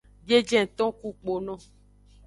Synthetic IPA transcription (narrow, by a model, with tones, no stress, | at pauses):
d͡ʒe˦d͡ʒɛ̃˦˨t̪ɔ̃˦ku˦k͡po˨nɔ̃˦